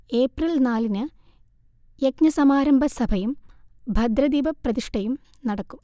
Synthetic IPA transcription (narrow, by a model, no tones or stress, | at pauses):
e̞ːprɐlnaːlinɨ | jekɲɐsɐmaːɾɐmbʱɐsɐbʱɐjumbʱɐd̪ɾɐd̪iːbɐprɐðiʂʈɐjum | nɐɽɐkːum